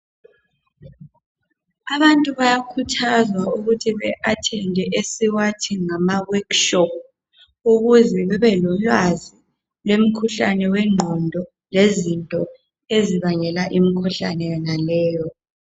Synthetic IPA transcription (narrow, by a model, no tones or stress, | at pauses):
aβantʼuβajakʰutʰazwauɣutʰiβɛʔatʰɛndʱɛʔesiwatʰiŋamawɔkʃɔp̚ | uɣuzɛβɛβɛlɔlwazi | lwem̩kʰuɬa̰nɛwɛŋ͡ǃʱɔndʱɔ | lezintʼɔ | eziβaŋɛlaʔimikʰuɬa̰nɛjɛnalɛːjɔ